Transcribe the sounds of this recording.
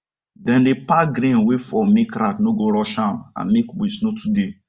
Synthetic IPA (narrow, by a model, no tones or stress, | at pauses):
dɛ̃ndepaɡɾẽnwefɔmekɾatnoɡoɾɔʃãnã̰nmekwisnotʰude